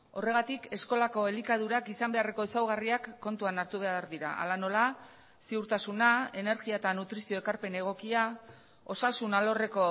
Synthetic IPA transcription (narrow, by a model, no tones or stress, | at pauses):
o̞re̞ɣat̪ike̞sko̞lako̞elikað̞uɾakisambe̞are̞ko̞esawɣ̞ariakːo̞nt̪uanaɾt̪uβeaɾðiɾa̰ʔa̰lano̞la | siuɾt̪asunae̞ne̞ɾɣiaet̪anut̪ɾisio̞e̞kaɾpe̞ne̞ɣ̞o̞kia | o̞sasunalo̞re̞ko̞